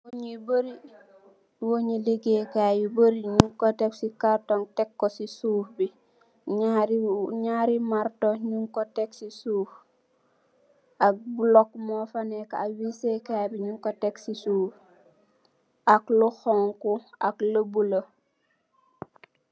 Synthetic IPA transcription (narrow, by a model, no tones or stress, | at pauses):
woɲibəɾi | woɲiliɡekajubəɾiɲuŋkɔtɛksikaɾtɔŋtɛkːɔsisufbi | ɲaɾiɲaːɾimaɾtɔɲuŋkɔtɛksisuːf | ʔak̚bulɔk̚mɔfanɛkaawisekabiɲuŋkɔtɛksisuːf | ʔakluxɔŋkuakləbulo